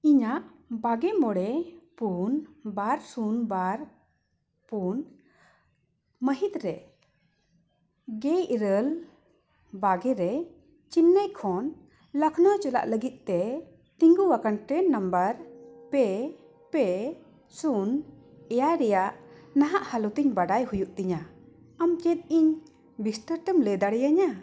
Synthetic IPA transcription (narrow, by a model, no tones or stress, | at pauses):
iɲaʔbaɡɛmɔɽɛpunbaɾsunbaɾ | pun | məɦit̪ɾɛ | ɡɛiɾəl | baɡɛɾɛ | t͡ʃinːəjkʰɔn | ləkʰnɔt͡ʃɔla̰ʔləɡit̪̚t̪ɛ | t̪iŋɡuwakanʈɛnːəmbəɾpɛ | pɛ | sun | ɛjaɾɛjaʔnaɦaʔhalɔt̪iɲbaɖajhujuʔt̪iɲa | amt͡ʃɛt̪̚iɲ | bisʈəɾʈəmlɛd̪aɽɛjaɲa